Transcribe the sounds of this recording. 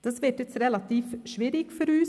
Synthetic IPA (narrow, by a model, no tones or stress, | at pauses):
d̪̥ɛsʋɪʈːət̪sɾɛlɑt̪iːfʃʋiːɾɪkfɔɾʉːs